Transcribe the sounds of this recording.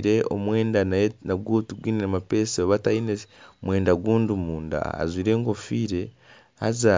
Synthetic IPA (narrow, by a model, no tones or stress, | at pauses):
ɾeo̰mwe̞ːndanaɡɡuːtuɡwiːneamapeseoβatainemwe̞ːndaɡwuːndumuːnda̰a̰zwiːɾe̞ːŋɡofiːɾe̞ | ha̰za